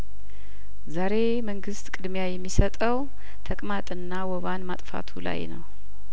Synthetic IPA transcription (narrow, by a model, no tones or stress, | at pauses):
zaɾe̞ | məŋɡɨst̪ʼkʼɨd̪mjajɛmːisət̪ʼəw | t̪ʰəkʼmat̪ʼɨnːawɔβanmat̪ʼfa̰t̪ʰula̰jnə̰w